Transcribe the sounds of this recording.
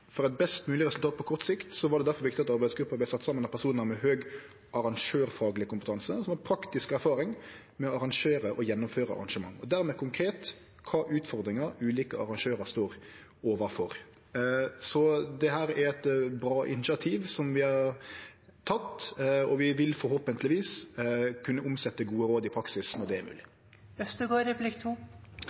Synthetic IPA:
fɔɾɛt̪̚bɛst̪mʉːlɪɾʁɛsʉlt̪ɑːt̪̚pʰɔkʰɔɾt̪sɪkt̪sɔʋɑɖɛd̪æɾfɔɾʋɪkt̪ɪtɑt̪ɑɾbæɪd̪sɡɾʉpːəblæsɑt̪ːsɑmənɑt̪̚pʰːæɾsuːnəɾmɛɦøːɡ | ʔɑɾɑŋʂøːɾfɑːɡlɪəkʊmpət̪ʰɑnsəsɔmhɑpʰɾɑkt̪ɪskæɾfɑːɾɪŋ | mɛɔɑɾɑŋʂeːɾəʔɔjɛnːʊmføːɾəɑ̰ɾɑ̰nʂəmɑŋːɔd̪æɾmɛkʰʊŋkʰɾeːt̪ | kʰɑːʔʉːt̪fɔɾd̪ɾɪŋəɾʉːliːkəɑ̰ʁɑŋʂøːɾɑɾst̪oːɾ | oːʋɑfɔɾ | sɔd̪ɛɦæːɾæɾɛt̪bɾɑːʔɪ̰nɪsɑt̪ʰiːʋsɔmʋɪhɑɾ | t̪ʰɑt̪ːɔʋɪʋɪlfɔɾhoːpənt̪lɪʋiːskʰʉnːəʔʊmsɛt̪ːəɡuːəɾoːd̪ɪpʰɾɑksɪsnɔʁd̪ɛæɾmʉ̰ːlɪ | ɛst̪ʉɡoɾəblɪkt̪ʰuː

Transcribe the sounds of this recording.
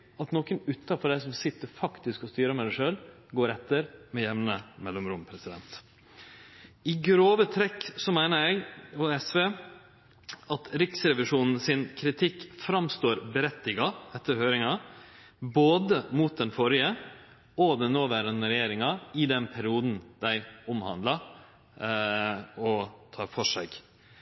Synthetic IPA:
ɑt̪noːkənʉt̪ʰːɑfɔɖæɪsɔmsɪt̪ːəɾfɑkt̪ɪskɔst̪yːɾəmæɪd̪æɪʂøːl | ɡoːɾɛt̪ːəɾmɛjɛʋnəmɛlːɔmɾʊmpʰɾɛsɪd̪ɛ̰nt̪ | ɪɡɾoːʋət̪ʰɾɛkːsɔmæɪnəɾɛɪɡɔɛsʋeː | ɑt̪ɾɪksɾɛʋɪʂuːnn̩sɪnkʰɾɪt̪ʰɪkːfɾɑmst̪oːɾbəɾɛt̪ːɪɡɑɛt̪ʰːəɾhøːɾɪŋɑ | boːd̪əmut̪̚d̪ɛnfɔɾɪə | ɔd̪ɛnoːʋæːɾənɾɛjeːɾɪŋɑɪd̪ɛnpʰæɾɪuːd̪nd̪̥æɪʊmhɑ̰nd̪lɑ | ɔt̪ʰɑːɾfɔʂæ̰ɪɡ

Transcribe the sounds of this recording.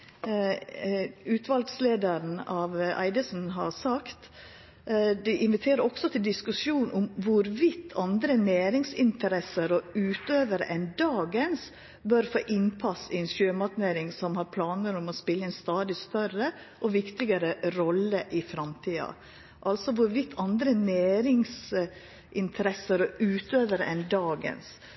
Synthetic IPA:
ʉːt̪ʰʋɑlɡsleːd̪əɾn̩ɑʋæ̰ɪd̪əsn̩ɦɑɾsɑkt̪ | d̪ɛʔɪnʋɪt̪ʰeːɾəɾɔksɔt̪ʰɪld̪ɪskʉsjuːnʊmʋʊɾʋɪt̪ʰːɑnd̪ɾənæːɾɪŋsɪnt̪əɾɛsəɾɔʉːt̪øːʋəɾə̰ʔɛnd̪ɑːɡəns | bœɾfo̰ːʔɪnpʰɑsɪɛnʃøːmɑt̪neːɾɪŋsɔmhɑɾpʰlɑːnəɾɔmɔspɪlːəɛnst̪ɑːd̪ɪst̪œɾə | ʔɔʋɪkt̪ɪɡəɾəɾɔlːəʔɪfɾɑmt̪ʰiːɑ̰ | ʔɑlsɔʋʊɾʋɪt̪ʰːɑnd̪ɾəneːɾɪŋs | ʔɪnt̪ʰəɾɛsəɾɔʔʉːt̪øːʋəɾə̰ʔɛnd̪ɑːɡə̰ns

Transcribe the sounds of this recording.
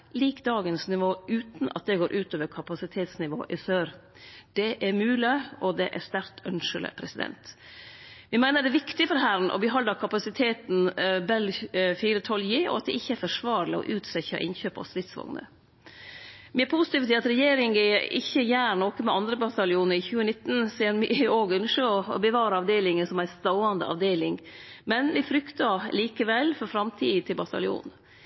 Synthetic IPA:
liːkd̪ɑːɡənsnɪʋoːʉːt̪nʔɑ̰t̪̚d̪ɛɡoːɾʔʉːt̪øːʋəɾkʰɑpɑsɪt̪ʰeːt̪snɪʋo̰ːʔɪsøːɾ | d̪̥ɛʔæɾmʉːlɪɔd̪ɛʔæst̪æɾt̪ʰœnʂələ̰pʰɾɛsɪd̪ɛ̰nt̪ | ʋɪmæɪnəɖɛʋɪkt̪ɪfɔɾɦæɾən̩ʔɔ̰bəɦɑləkʰɑpɑsɪt̪ʰeːt̪n̩bɛlfiːɾət̪ʰɔljeːʔɔ̰ɑt̪̚d̪ɛ̰ʔɪçːəɛɾfɔʂʋɑːɾlɪɔ̰ʔʉːt̪sɛçɑ̰ʔɪ̰nçøːpɔ̰st̪ɾɪt̪sʋɑ̰ŋnə̰ | mɪpʰuːsɪ̥t̪iːʋəs̬iːɑt̪ɾɛjeːɾɪŋəɪ̰çːəjæːɾɳoːkəmɛɑnd̪ɾəbɑt̪ɑlɪuːnəɾɪçʉːənɪt̪ːn̩sɛːnmioːɡʉnʂəɔɔ̰bəʋɑːɾɑɑʋd̪eːlɪŋənsɔmæɪst̪ɑʊɑnd̪ə̰ʔɑ̰ʋd̪eːlɪŋmɛnʋɪfɾʏkt̪ɑliːkəʋɛlfɔɾfɾɑmt̪ʰiːt̪ʰɪlbɑt̪ʰɑ̰lɪṵːn

